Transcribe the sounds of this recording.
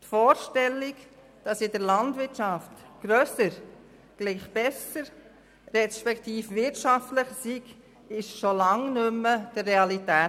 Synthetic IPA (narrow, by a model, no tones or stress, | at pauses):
tfɔːɾʃtɛlːik | d̥ɑsɪdəɾlɑndvɪtʃɑftɡ̥ɾøːsəɾ | ɡ̥liːχb̥ɛsəɾ | ɾɛʃpɛktiːfʋɪɾtʃɑftləχsiɡ | ɪʃʃolɑŋnʏmːəd̥ərːeɑlitɛː